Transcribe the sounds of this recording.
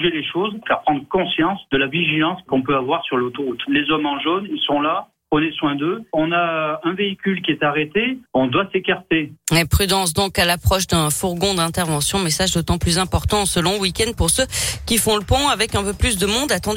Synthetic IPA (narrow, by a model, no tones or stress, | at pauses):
ʒeleʃozkaʁpχɑ̃d̪ʁəkɔ̃sjɑ̃sd̪əlaviʒilɑ̃skɔ̃pøavwaʁsyʁlot̪oʁut̪lezɔmɑ̃ʒonilsɔ̃la | pχəneswɛ̃d̪øɔ̃naɛ̃veikʲylkʲiɛt̪aʁet̪eɔ̃d̪wasekaʁt̪eɛpχyd̪ɑ̃sd̪ɔ̃kalapχɔʃd̪ɛ̃fuʁɡɔ̃d̪ɛ̃t̪ɛʁvɑ̃sjɔ̃mesaʒd̪ot̪ɑ̃plyzɛ̃pɔʁt̪ɑ̃səlɔ̃əwikʲɛ̃nd̪̚puʁsøkʲifɔ̃ləpɔ̃avɛkɛ̃pøplys̬d̪əmɔ̃d̪at̪ɑ̃d̪